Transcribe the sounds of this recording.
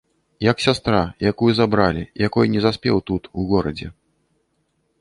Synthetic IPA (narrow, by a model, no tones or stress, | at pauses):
jɐksʲast̪ɾajakujuzabɾalʲijakɔjnʲɛzasʲpʲɛwt̪ut̪uɣɔɾɐd͡zʲɛ̰